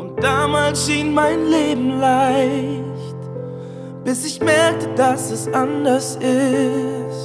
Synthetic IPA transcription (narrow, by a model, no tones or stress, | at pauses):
ʔʊnt̚d̥aːmaːlsʃiːnmaɪnleːbm̩laɪçt | b̥ɪsɪçmɛɐk̚tədasɛsʔandɐsʔɪ | tt